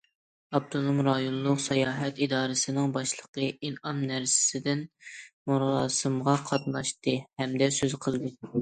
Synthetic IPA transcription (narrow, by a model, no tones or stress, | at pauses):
ɑp̚t̪ʰonomɾɑjonlˠʊqsɑjɑːɦɛt̪id̪ɑːɾɨsɨnɨŋbɑʃlˠəqəinɑnːæɾsɪ̥sɪd̪ɪnmuɾlˠɑ̰ːsɨmʁɑqʰɑt̪nɑʃt̪ɨhɛmd̪ɛsøzqʰəlˠd̪ɨ